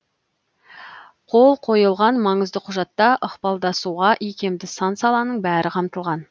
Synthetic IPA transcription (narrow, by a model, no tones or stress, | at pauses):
qʰo̞lˠqʰo̞jəlˠʁɑnmɑɴəzd̪əqʰʊʒɑt̪ːɑʔəqpɑlˠd̪ɑsuʁɑʔikʲe̞md̪ɪsɑnsɑlˠɑnəɴbæɾʔɪqʰɑmt̪əlˠʁɑn